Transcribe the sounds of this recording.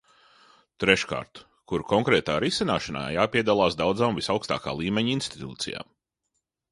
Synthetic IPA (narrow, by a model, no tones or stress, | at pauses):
t̪ɾɛʃka̰ːɾt̪ | kuɾkɔŋkɾɛːt̪aːɾisinaːʃɐna̰ːjaːpiɛd̪alˠaːsd̪awd̪zaːmvisawkst̪a̰ːka̰ːlˠiːmeɲinst̪i̥t̪ṵːt̪sija̰ːm